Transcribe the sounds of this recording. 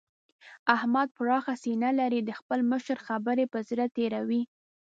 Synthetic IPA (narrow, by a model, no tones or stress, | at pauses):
ahmad̪̚pɾɑxasinalaɾid̪əxpəlməʃɾxabəɾepəzɾat̪eɾawi